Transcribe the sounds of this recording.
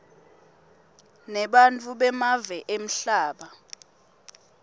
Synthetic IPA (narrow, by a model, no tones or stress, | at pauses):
nɛɓant͡fʰʼuɓɛmavɛʔem̩ɬaːɓa